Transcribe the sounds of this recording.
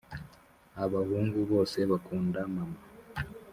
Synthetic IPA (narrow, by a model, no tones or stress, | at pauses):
aβahuːŋɡuβo̞ːse̞βakuːndamama